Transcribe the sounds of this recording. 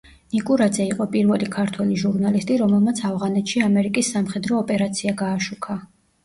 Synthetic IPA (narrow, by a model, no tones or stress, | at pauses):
nikʼuɾad̪zɛiqʼɔpʼiɾvɛlikʰaɾt̪ʰwɛliʒuɾnalist̪ʼiɾɔmɛlˠmat̪sʰavʁanɛt̪ʃiamɛɾikʼisːamχɛd̪ɾɔːpʼɛɾat̪sʰiaɡaːʃukʰa